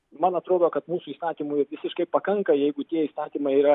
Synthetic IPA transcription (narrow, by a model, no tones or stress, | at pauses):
mɐnɐt̪ɾoːd̪oːkɐt̪muːsʊiːst̪ɑːt̪ʲiːmʊɪʋʲɪsʲɪʃkɐɪpɐkɐŋkɐjɛɪɡʊt̪ʲiɛiːst̪ɑːt̪ʲiːmɐɪiːɾɐ